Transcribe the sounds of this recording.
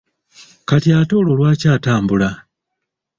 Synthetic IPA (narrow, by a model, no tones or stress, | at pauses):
katjaːto̞ːlo̞lwaːcaːtaːmbula